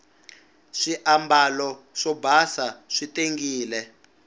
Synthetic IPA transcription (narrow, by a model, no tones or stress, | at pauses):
ʂiʔambalɔʂɔbʱasaʂitʼeŋɡiːlɛ